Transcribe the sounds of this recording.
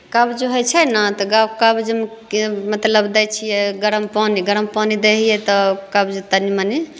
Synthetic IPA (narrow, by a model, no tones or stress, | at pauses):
kabd͡ʒeɦojt͡ʃʰɛnat̪ɔɡawkabd͡ʒem | mət̪ləbd̪ɛjt͡ʃʰijɛɡəɾəmpaniɡəɾəmpanid̪eɦijɛt̪ɔkɐbd͡ʒet̪ənimani